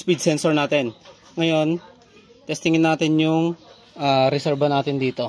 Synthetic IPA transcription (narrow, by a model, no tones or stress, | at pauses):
spid̪̚sɛnsoɹnaːt̪ɛn | ŋɐjo̞n | t̪ɛst̪ɪŋɪnːaːt̪ɪnjʊŋ | ʔaːɾɛsɛɹbɐnaːt̪ɪnd̪iːt̪o